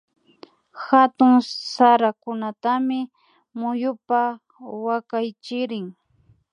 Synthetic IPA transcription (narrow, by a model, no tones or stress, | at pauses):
xat̪ʊŋsaɾakʊnat̪amɪ | mʊjʊpa | wakajt͡ʃɪɾɪŋ